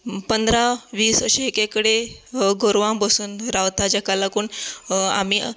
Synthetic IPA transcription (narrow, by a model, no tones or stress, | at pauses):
pənd̪ɾaʋiːsəɕeekekəɽeɡoɾʋãmbəsuːnɾawt̪ad͡ʑakalakuːɳa̰miː